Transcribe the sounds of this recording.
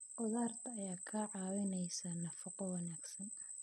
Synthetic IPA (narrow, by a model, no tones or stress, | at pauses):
qʊðaːrt̪ʰɐːjaːkʰaːʕɑːwɪnɛjsɐnɐfɑqɔwɑnaːɡsɐn